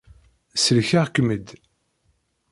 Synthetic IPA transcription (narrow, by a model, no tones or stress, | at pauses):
səlçaʁkːməd̪